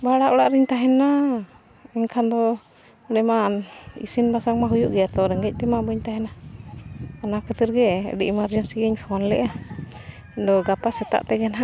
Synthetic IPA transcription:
baɽaʔɔɽaʔɾiɲt̪aɦɛnːa | ɛŋkʰand̪ɔ | ɖɛmanḭsinbasaŋmaɦujuʔɡɛat̪ɔɾɛŋɡɛc̚ˀt̪ɛmabəɲt̪aɦɛnaː | nakət̪əɾɡɛ̰ɖiʔimaɾd͡ʒɛnsiɡɛɲpʰɔnlɛ̰ʔa | nd̪ɔɡapasɛt̪a̰ʔt̪ɛɡɛnaʔ

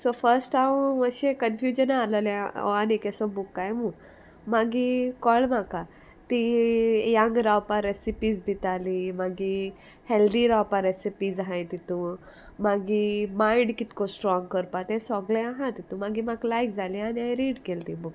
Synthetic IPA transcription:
sofəɾsʈaũməɕẽkənfjud͡ʑənaləlaɔ̰anekɛsɔbukːajmu | maɡikɔɭmaka | t̪ijaŋɡɾawpaɾesipid͡zd̪it̪alimaɡi | held̪iɾawpaɾesipiːd͡zɦãjt̪it̪ũ | maɡimaiɖkit̪kosʈɾɔ̃ŋɡkəɾpat̪ɛ̃sɔɡlẽaɦãt̪it̪ũmaɡimaɡlajkd͡zalĩaniãjɾiːɽkelt̪ibuk

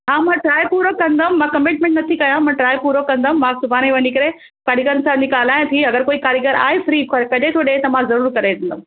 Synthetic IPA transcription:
ɦãːmãːʈɾaːjpuːɾokːɐ̃nd̪ãmːãːkɐmɪʈmɛ̃ɳʈnɐt̪ʰikɐjãmãʈɾaːjpuːɾokɐ̃nd̪aɦmãːsʊbʱaːneʋɐnikɐɾe | kɐɽikəɾənsãnikaːl̤aːj̃t̪ʰiɐɡəɾkoːikaːɾiɡəɾa̰ːɦefɾiːkɐkɐʄʱet̪ʰoɗeːt̪ɐmãzɐɾuːɾkɐɾed̪ẽːnd̪

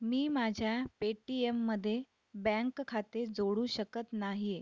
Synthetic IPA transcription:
miːmad͡ʑʱjapeʈiemːəd̪ʱːje | bɛ̃ŋkkʰat̪ed͡zoɽuːɕəkət̪naɦi

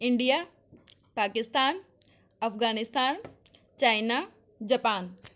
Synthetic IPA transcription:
ɪɳɖija | paːkɪst̪aːn | ɐfɣaːnɪst̪aːn | t͡ɕaːɪna | d͡ʑɐpaːn

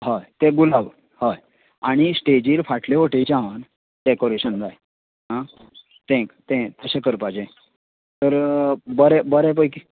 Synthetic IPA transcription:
ɦajt̪ẽɡulaʋ | haj | aɽ̃isʈed͡ʑiːɾfaʈʰleʋoʈet͡ɕãan | d̪ekoɾeɕənd͡z̪aj | ɦã | t̪ʰɛ̃kt̪ɛ̃t̪əɕẽkəɾpad͡ʑẽ | t̪əɾbəɾɛbəɾɛp̬əjki

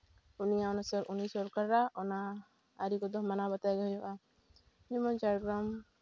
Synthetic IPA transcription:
unijaɔnasɔɾunisɔɾkaɾɾaʔɔnaː | ɾikɔd̪ɔɦmanabat̪ajɡajɔʔa | d͡ʒɛmɔ̃nt͡ʃaɾɡɾam

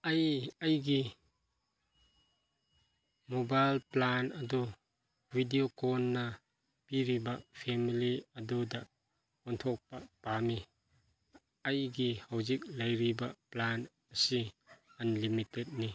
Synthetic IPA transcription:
ɐjɐjɡi | mobajlplanɐdu | bʱidiokɔnːɐ | piɾibɐpʰemiliɐdudɐ | ɔntʰɔk̚pɐpami | ɐjɡihɐwzik̚lɐjɾibɐplan | ɐsiɐnlimitet̚ni

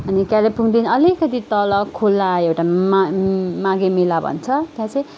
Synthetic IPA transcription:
ʌnikalapuŋd̪inʌlikʌt̪it̪ʌlʌkʰolːaewʈa | maɡemelabʱʌ̰nt͡sʰʌt̪jãt͡sʰʌj̃

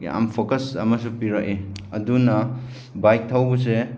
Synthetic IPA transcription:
a̰mpʰokɐsɐ̰mɐsupiɾaʔeɐdunɐ | bajk̚tʰawbuse

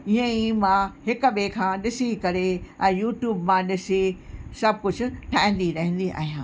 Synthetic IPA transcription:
iə̃imãɦɪkʊɓekʰãːɗɪsikɐɾeɛ̃ːjuːʈjuːbmãɗɪsisɐb̚kʊd͡ʑʱʊ̆ʈʰaːɦɪ̃n̆d̪iɾɐɦɪ̃n̆d̪iʔa̰ːɦijãː

